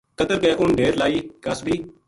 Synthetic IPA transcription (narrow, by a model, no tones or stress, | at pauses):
kəd̪əɾkɛːʔʊɳɖeːɾlaːiːkəsbʱiː